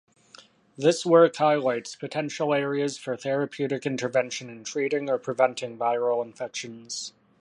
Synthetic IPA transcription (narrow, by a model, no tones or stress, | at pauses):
ðɪswɜ˞khaɪlaɪtspʰɨtʰɛ̃nʃl̩ˠɛɹiɨz̥fə˞θɛɹɨpʰj̥ʉɾɨkɪ̃ntə˞vɛ̃nʃɨ̃nɨ̃ntʰɹ̥iɾɪ̃ŋə˞pʰɹ̥ɨvɛ̃ntʰɪ̃ŋvaɪɹl̩ˠə̃ɱfɛkʃɨ̃nz̥